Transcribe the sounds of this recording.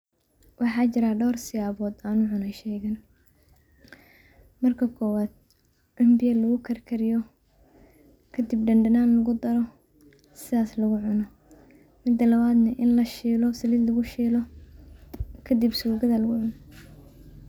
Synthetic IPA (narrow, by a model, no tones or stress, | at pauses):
wʔɑħɑːt͡ʃɪɾaːɖɔːrsɪjaːβɔːd̪aːnʊʕʊnɐjʃɛjɣɐn | mɐrkʰɐkʰɔːwaːd̪̚ | ɖʊmbɪjɐlɐɣʊkʰɐrkʰɐɾɪjɔ | kʰɐd̪ɪbɖɐnɖɐnaːnlɐɣʊd̪ɐɾɔ | sɪðaːslɐɣʊʕʊnɔ | mɪd̪ɐlɐβaːd̪nɐʔɪnlɐʃiːlɔsɐlɪd̪lɐɣʊʃiːlɔ | kʰɐd̪ɪbsuːɡɐðɐlɐɣʊʕʊn